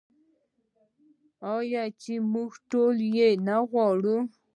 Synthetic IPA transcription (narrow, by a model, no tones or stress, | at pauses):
ɔjat͡ʃimuxtoljenaɣɔɾu